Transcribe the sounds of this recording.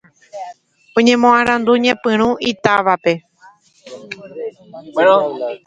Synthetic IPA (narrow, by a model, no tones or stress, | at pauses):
õɲẽ̞mõãɾ̃ãnd̪uɲẽpɨ̃ɾ̃ũʔit̪aʋape̞